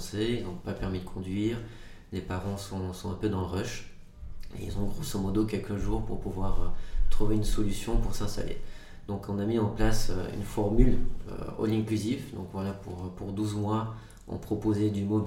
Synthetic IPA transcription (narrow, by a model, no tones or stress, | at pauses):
seilzɔ̃papɛʁmid̪əkʰɔ̃d̪ɥiːʁ | lepaʁɑ̃sɔ̃sɔ̃ɛ̃pød̪ɑ̃ləʁɔʃ | ḛḭlzɔ̃ɡʁosɔmɔd̪ok̬ʲɛlkəʒuːʁpuʁpuvwaʁøt̪χuveynsɔlysjɔ̃puʁsɛ̃st̪a̰lḛ | d̪ɔ̃kɔ̃namiɑ̃plasø̰y̰nfɔʁmylø̰ɔ̰lĩklyzifd̪ɔ̰̃kvwalapuʁpuʁd̪uzmwa | ɔ̰̃pχɔpozed̪ymo